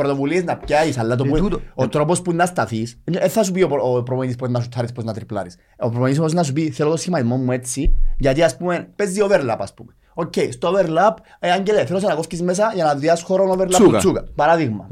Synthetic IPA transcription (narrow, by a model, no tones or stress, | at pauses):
ɾot̪o̞vulieznɐpcaisɐlːat̪opuot̪ɾo̞pospunːɐst̪ɐθiseθɐs̬upiopopɾopoɲit̪ispuenɐs̬ut̪ʰːɐɾisposnɐt̪ɾiplɐ̰ɾis | opɾopoɲiis̬mosinɐs̬upiθelot̪osçimɐt̪izmomːue̞t͡sʰːiʝɐt̪iaspume̞npezːioveɾlapɐspṵme | ocːejst̪oveɾlap | eaɲɟeleθelos̬enɐkofcizmes̬ɐʝɐnɐðiɐsxoɾonoveɾlaut͡sːukɐpɐɾaðiɣmɐ̰